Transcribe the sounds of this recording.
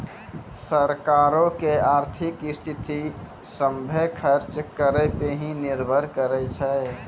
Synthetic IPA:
səɾkaɾokeaɾt̪ʰikist̪ʰit̪i | səmbʱekʰəɾt͡ʃkəɾɛpeɦĩniɾbʱəɾkəɾɛt͡ʃʰɛ

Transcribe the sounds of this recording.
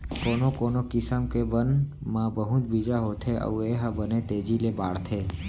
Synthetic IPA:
koːnokoːnokɪsəmkebən | mãbəɦut̪̚biːd͡ʒaɦoːt̪ʰeʔə̰ʋeːɦabənet̪eːd͡ʒilebaːɽt̪ʰeː

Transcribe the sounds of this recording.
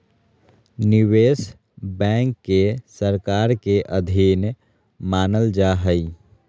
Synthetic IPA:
nɪweːs | bɛ̃ːŋkːesəɾkaːɾkeʔəd̪ʱin | maːnəld͡ʒaɦəi

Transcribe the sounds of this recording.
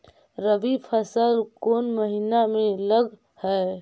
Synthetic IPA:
ɾəbipʰəsəlkonməɦinameləɡ | hə

